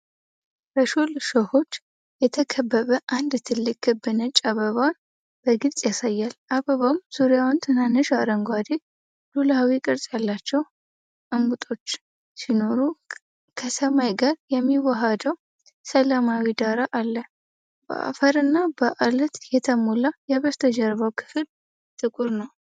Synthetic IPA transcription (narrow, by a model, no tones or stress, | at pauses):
bəʃulʃəho̞t͡ʃː | jɛt̪ʰəkʰəbːəβəʔand̪t̪ʰɨlːɨkʼɡɨbɨnət͡ʃʼaβəβawn | b̥əɡɨlt͡sʼjasajːalʔaβəβawmz̥uɾjawnt̪ʰɨnanːɨʃaɾəŋɡwad̪i | lulaawikʼɨɾsʼjalːat͡ʃːɛw | ʔɨmɡut̪ʼo̞t͡ʃː | sino̞ɾu | kʰəsəmajɡaɾjɛmːiwaɦad̪əw | səlamawid̪aɾaʔalːə | b̥ə̰ʔa̰fəɾɨnːabəʔalət̪jɛt̪ʰəmolajɛβəst̪ʰəd͡ʒɛɾβawkʰɨ̥fɨl | t̪ʰʼɨkʼuɾnəw